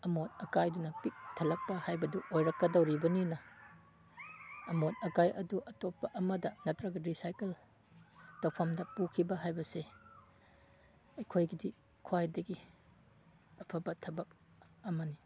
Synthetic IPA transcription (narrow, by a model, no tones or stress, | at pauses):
ɐmonɐkajdunɐpik̚tʰɐlɐk̚pɐhajbɐduʔojɾɐkːɐdɐwɾibɐninɐ | motɐkajʔɐduʔɐtopːɐʔɐmɐdɐnɐtɾɐɡɐɾisajkel | tɐwpʰɐmdɐpukʰibɐɦajbɐse | ɐjkʰojɡidi | kʰwajdɐɡi | ɐpʰɐbɐtʰɐbɐk̚ | ɐmɐni